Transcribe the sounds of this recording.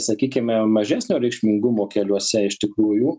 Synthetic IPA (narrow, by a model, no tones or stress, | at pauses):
sɐkʲiːkʲɪmʲɛmɐʒʲæːsʲnʲoːɾʲɛɪkʃʲmʲɪŋɡʊmoːkʲɛlʲuɔsʲɛɪʃt̪ʲɪkɾuːjuː